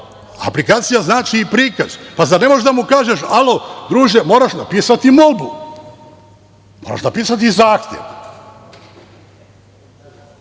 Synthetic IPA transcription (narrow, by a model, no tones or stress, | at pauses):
a̰plikaːt̪sijaznaːt͡ʃiːpɾiːka̰z̥pazane̞moʒd̪amukaːʒeʃalod̪ɾuːʒemo̞ːɾaʃnapiːsat̪imolˠbu | moːɾa̰ʃnapiːsat̪̬izaːxt̪jḛʋ